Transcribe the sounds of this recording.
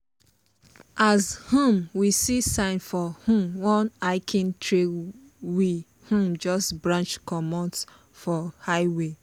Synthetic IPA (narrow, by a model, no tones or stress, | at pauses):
azhũmwisisãɪ̃nfɔhũmwɔ̃naɪkʰĩntʰɹe | wi | hũmd͡ʒɔstbɹãnt͡ʃkɔmɔ̃ns | fɔhaɪwe